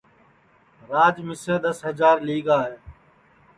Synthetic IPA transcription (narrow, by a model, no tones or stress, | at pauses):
ɾaːd͡ʒmɪsẽːd̪əsɦəzaːɾliːɡaːɦeː